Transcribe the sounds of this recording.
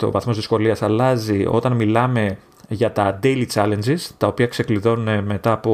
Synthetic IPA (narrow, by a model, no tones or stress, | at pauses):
t̪o̞̰vɐθmo̞zðisko̞liɐsɐlɐzio̞̰t̪ɐnmilɐme̞ | ʝɐt̪ɐd̪e̞lit͡ʃɐle̞nd͡ʒist̪ɐo̞piɐkse̞kliðo̞nune̞me̞t̪ɐːpo